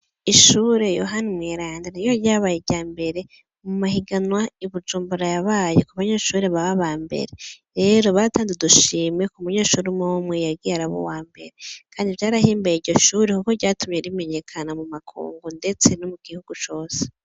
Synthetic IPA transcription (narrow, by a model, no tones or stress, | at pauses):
iʃuːɾe̞jo̞̰ɦanimweːɾaːndiɾijoɾjaːβajeɾɟaːmbe̞ɾe̞ | mumahiɡanwaiβud͡ʒuːmbuɾajaβaːjekuβaɲeʃuːɾe̞βaβaβaːmbe̞̰ɾe̞ɾe̞ːɾo̞βataːnzeduʃiːme̞kumuɲe̞ːʃuːɾimowumwejaɡiaɾaβo̰waːmbe̞ɾekʰaːndivjaːɾahiːmbajiɟo̞ʃuːɾekukoɾɟaːtumɲe̞ɾime̞ɲe̞kʰanamumakʰṵːŋɡunde̞t͡se̞nomuɡ̥ihuɡ̥ut͡ʃo̞ːse̥